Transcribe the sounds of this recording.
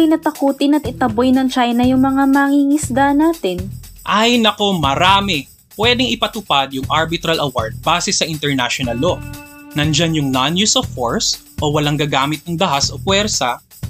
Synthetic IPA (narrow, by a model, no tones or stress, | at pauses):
ɪnat̪ɐkuːt̪ɪnɐt̪̚ɪt̪ɐbojnɐŋt͡ʃajnɐjʊŋmɐŋamaŋiːŋɪsd̪anaːt̪ɪnʔajnɐko̞mɐɾaːmɛ | pwɛːd̪ɛŋɪpɐt̪ʊpad̪̚jʊŋʔaɹbɪt̪ɾɐlʔɐwa̰ɹd̪̚baːsɛsɐʔɪnt̪ɛɹnaʃonɐlːonɐnd͡ʒanjʊŋnanjusofːoɹs | ʔowɐlaŋɡɐɡaːmɪt̪̚nɐŋd̪ɐhasʔokwɛɾsɐ